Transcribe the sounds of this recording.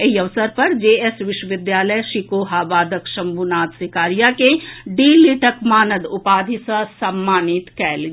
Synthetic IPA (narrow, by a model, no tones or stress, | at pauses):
ɐiɐʋsəɾpɐɾd͡ʒeːesʋɪʃwəʋɪd̪jaːləjʃikoːɦaːbaːd̪əkʃɐ̃mbunaːt̪sɪkaːɾijakeɖiːliʈəkmaːnəd̪ʊpaːd̪ʱɪsasɐmːaːnit̪kɛːlɡ